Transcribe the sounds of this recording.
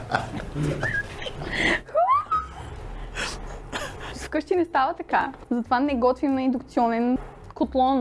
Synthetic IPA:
skɤʃt̪inɛst̪avət̪ɐka | zɐt̪ovanɛɡɔt̪vimnɐɛnd̪ʊkt̪siɔnɛn | kot̪lˠɔn

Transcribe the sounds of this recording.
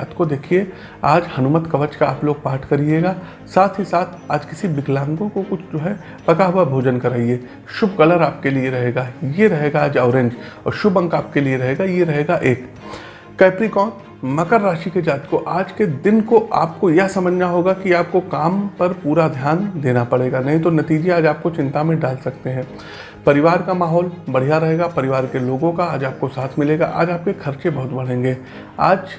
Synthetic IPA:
aːt̪kod̪eːkʰie | aːd͡ʒhɐnʊmət̪kɐʋət͡ʃkaaːploːɡ̚paːʈʰkɐɾieːɡaː | saːt̪ʰɦisaːt̪ʰaːd͡ʒkɪsibɪɡlãːŋɡõkokʊt͡ʃʰd͡ʒoːɦɛ | pɐkaɦʊabʱoːd͡ʒənkɐɾaːieː | ʃʊbɣɐləɾaːp̚kelieɾɐɦeːɡajeɾɐɦeːɡaːd͡ʒaːʊɾẽːɲd͡ʒɔ̰ːɾʃʊbɐ̃ŋkaːp̚kelieɾɐɦeːɡajeɾɐɦeːɡaʔeːkː | ɛːpɾikɔːt̪ | mɐkəɾːaːʃiked͡ʒaːt̪koʔaːd͡ʒked̪ɪnkoʔa̰ːp̚kojɐɦsɐməd͡ʒʱnaɦoːɡakiaːp̚kokaːmpɐɾpuːɾad̪ʱjaːnd̪eːnapɐɽeːɡanɐɦĩt̪onɐt̪iːd͡ʒeaːd͡ʒaːp̚kot͡ʃɪ̃nt̪amẽɖaːlsɐk̚t̪eɦɛ̃ː | pɐɾɪʋaːɾkamaːɦɔːlbɐɽ̤ijaɾɐɦeːɡapɐɾɪʋaːɾkeloːɡõkaaːd͡ʒaːp̚kosaːt̪ʰmɪleːɡa̰ʔa̰ːd͡ʒaːp̚kekʰɐɾt͡ʃebɐɦʊt̪bɐɽ̤ẽːŋɡeː | a̰ːd͡ʒ

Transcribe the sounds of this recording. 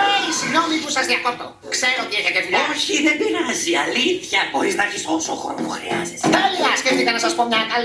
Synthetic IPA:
eisiɣno̞mipusɐzðiɐkopt̪o̰ | kseɾoot̪ieçɐcevulooçiðembiɾaziɐliθçɐboɾiznɐçisosoxo̰ɾmo̰xɾḛɐ̰zist̪ɐliɐsceft̪ikɐnɐsɐspomɲɐk̪ɐl

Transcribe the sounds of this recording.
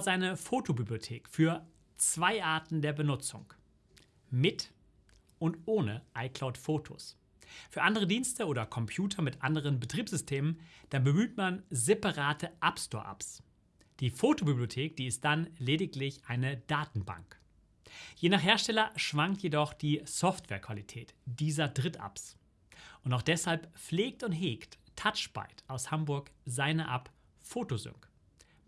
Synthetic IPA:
zaɪnəfoːtʰobibliotʰeːkfyːɐ | t͡sv̥aɪʔaɐtn̩deːɐbənʊt͡sʊ̰ŋ | mɪt | ʔʊntʔoːnəʔaɪkl̥aʊtfoːtʰo̰s | fyːɐʔandəʁ̞ədiːnstəʔoːdɐkʰɔmpʰjuːtʰɐmɪtʔandəʁ̞ənbətʁ̥iːpz̥ʏstʰeːmənd̥anbəmyːtmanzepaʁaːtʰəʔapstɔːɐʔa̰ps | d̥iːfoːtobiblijotʰeːk̚d̥iːɪst̚d̥anleːdɪklɪçʔaɪnəd̥aːtn̩ba̰ŋk | jeːnaːχɦeːɐʃtɛlɐʃv̥aŋk̚tjedɔχd̥iːsɔftv̥ɛ̰ːɐkv̥alitʰɛːtd̥iːzɐdʁɪtʔa̰ps | ʔʊntaʊχd̥ɛshalpp͡fleːk̚tʊntɦeːkttʰat͡ʃb̥a̰ɪtʔaʊshambʊɐkzaɪnɐʔap | foːtozʏ̰ŋk

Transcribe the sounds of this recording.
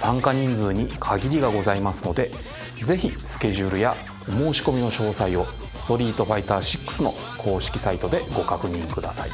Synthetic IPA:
sãŋkaɲ̟ĩnd͡zɨːɲ̟ikʰaɡʲiɾʲiɡaɡo̞zaimasɨ̥no̞d̪e̞ | ze̞çisɨ̥kʲe̞ʑɨːɾɯ̟ja | omo̞ːɕi̥ko̞mʲino̞ɕo̞ːsaio̞ | sɨ̥t̪o̞ɾʲiːt̪o̞ɸait̪aːɕi̥kːɯ̥sɨno̞ | kʰo̞ːɕi̥kʲi̥sait̪o̞d̪e̞ɡo̞kakɯ̟ɲ̟ĩŋkɯ̟d̪asa̰ḭ

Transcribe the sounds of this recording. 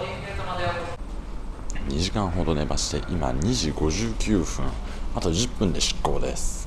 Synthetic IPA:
ɲ̟iʑikãɰ̃ɦo̞d̪o̞ne̞baɕi̥t̪e̞̰ʔima̰ɲ̟iʑiɡo̞ʑɨːkʲɨːɸɯ̟̃ɴ | at̪o̞ʑɨpːɯ̟̃nd̪e̞ɕi̥kːo̞̰ːd̪e̞̰sɨ̥

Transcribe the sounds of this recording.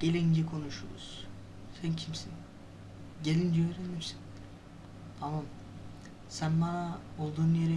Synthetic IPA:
ɟ̥elʲind͡ʒɛkʰo̞nuʃṵɾṵz̥ | sæncʰimsin | ɟelʲind̪iøːɾenyɾsi̥n | t̪ʰamam | sænbanaolˠd̪uːnujeɾe

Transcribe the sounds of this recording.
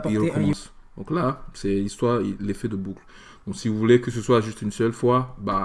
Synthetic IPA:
iʁəkɔmɑ̃sd̪ɔ̃klasɛlist̪waʁilefɛd̪əbukl | d̪̥ɔ̃ksivuvulekəsəswaʒyst̪ynsœlfwaba

